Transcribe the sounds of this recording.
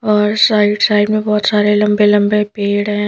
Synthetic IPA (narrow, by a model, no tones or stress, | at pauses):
ɔːɾsaːɪɖsaːɪɖmẽbɔːt̪saːɾelɐ̃mbelɐ̃mbepeːɽɦɛ̃ː